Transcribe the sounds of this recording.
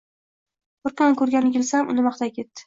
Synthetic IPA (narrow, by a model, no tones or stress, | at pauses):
qʊɾqɑnkʰɵɾɡʲanɪkʲɪlsamʊ̰nɪmɑχt̪ʰakʲʰe̞t̪ːɪ̥